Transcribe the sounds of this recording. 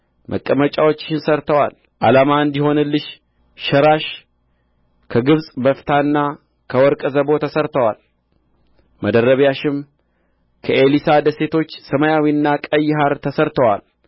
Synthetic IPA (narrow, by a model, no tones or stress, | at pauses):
mʔə̰kʼːəmət͡ʃʼawo̞t͡ʃːɪ̥ʃɪnsəɾt̪ʰəwa̰l | ʔalamaɨnd̪iho̞nɨlːɨʃ | ʃəɾaʃ | kʰəɡɨβsʼbəft̪ʰanːa | kʰəwɔɾkʼzəbo̞t̪ʰəsəɾt̪ʰəwal | məd̪əɾəβjaʃɪm | kʰəʔelisad̪əse̞t̪ʰo̞t͡ʃːsəmajawiɨnːakʼəjːɪɦaɾt̪ʰəsəɾt̪ʰəwa̰l